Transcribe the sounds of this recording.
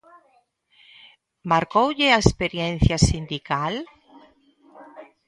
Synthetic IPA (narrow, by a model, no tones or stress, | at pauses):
maɾkowʎeaespeɾjẽnθjasind̪ikal